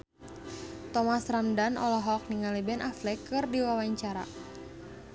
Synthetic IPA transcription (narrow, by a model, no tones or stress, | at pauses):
t̪ɔmasramdanʔɔ̰lɔɦɔk̚niŋalɛbɛnʔaflɛkɨrdiwawaɲt͡ʃaɾa̰